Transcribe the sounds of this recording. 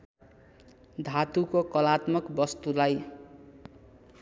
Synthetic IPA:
d̪ʱat̪ukokʌlat̪mʌkbʌst̪ulaj

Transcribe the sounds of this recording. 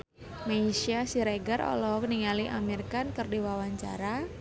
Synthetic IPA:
maisiasiɾeɡaɾɔ̰lɔk̚niŋaliʔamirkankərdiwawaɲt͡ʃa̰ɾa

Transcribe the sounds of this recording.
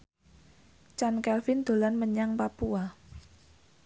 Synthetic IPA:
t͡ʃankɛlfɪnd̪̥o̤lanməɲaŋpapua

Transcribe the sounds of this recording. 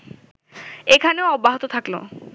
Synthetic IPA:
ekʰaneoɔbːaɦot̪ot̪ʰaklo̰

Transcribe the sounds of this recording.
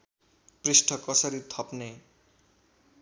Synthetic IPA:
pɾisʈʰʌkʌsʌɾit̪ʰɔpne

